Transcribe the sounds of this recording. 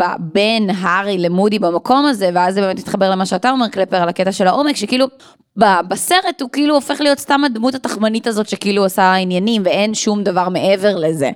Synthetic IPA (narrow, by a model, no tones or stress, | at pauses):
babenɦaʁilemudibamako̞mazeveazbeːmet̪mi̥t̪χabe̞ʁle̞maʃeatao̞me̞ʁklepeʁalaketaʃe̞laʔo̞mekʃekiilu | babaseʁe̞thukiiluofe̞χlijo̞tstamadmuthataχmanitazo̞tʃekiiluasainjanimveenʃumdavaʁme̞ʔeve̞ʁle̞zḛ